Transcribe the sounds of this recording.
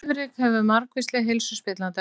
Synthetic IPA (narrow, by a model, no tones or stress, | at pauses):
vɾɪkhɛvʏmaɾkvist̪lɪɣɦelsʏspɪt̪lant̪ɪ